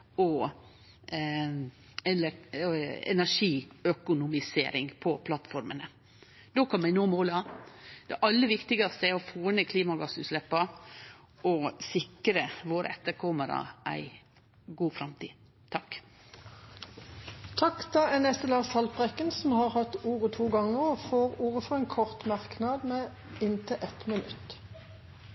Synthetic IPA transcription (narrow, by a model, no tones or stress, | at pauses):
ɔ | ɛl | ɛ̰næʂiːœkʊnʊmɪsḛːɾɪŋpʰɔpʰlɑt̪fɔɾmənə | d̪̥oːkʰɑnmæɪnoːmoːləɑd̪̥ɛʔɑlːəʋɪkt̪ɪɡɑst̪əɛɾɔfoːnəkʰliːmɑɡɑsʉːt̪lɛpːɑ | ʔɔsɪkɾəʋoːɾə̰ɛt̪ːəɾkʰɔməɾɑ̰ʔæ̰ɪ | ɡuːfɾɑmt̪ʰiː | t̪ʰɑk | t̪ʰɑkt̪ɑɛnɛst̪əlɑːsɑlpʰʁɛkənsɔmhɑːʁhɑt̪ːuːʁət̪ʰuːɡɑŋːəʁɔfoːʁuːʁəfɔʁɛnkʰɔʁt̪mɑʁknɑd̪mɛ | ɪnt̪əʔɛt̪mɪnʉt̪